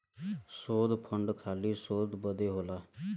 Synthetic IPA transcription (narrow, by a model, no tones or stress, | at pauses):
soːd̪pʰəɳɖkʰaːliːsoːd̪bəd̪eːɦoːlaː